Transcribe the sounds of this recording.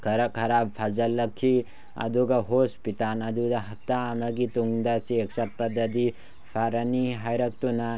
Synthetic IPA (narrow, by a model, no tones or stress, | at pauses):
kʰɐɾɐkʰːɐɾab̚pʰazɐlːɐkʰːi | ɐ̰duɡɐɦospitalɐd̪udɐɦɐtːaːmɐɡituŋd̪ɐsiek̚sɐt̚pɐd̪ɐdi | pʰaɾɐniɦajɾɐk̚tunɐ